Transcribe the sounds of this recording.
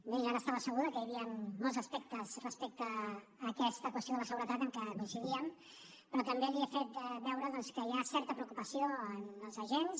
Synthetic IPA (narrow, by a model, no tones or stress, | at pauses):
beʒaɾəːst̪aβəsəɣ̞uðəkəjəβiəmːolˠzəspek̚t̪əzrəspek̚t̪əː | kɛst̪əkwəst̪joðələsəɣuɾət̪at̪əŋkəβənsiɣiəm | pɾɔt̪əmbeəβiəfet̪̚bɛwɾəðɔnskəjasɛɾt̪əpɾəukupəsioənəlˠzəʒens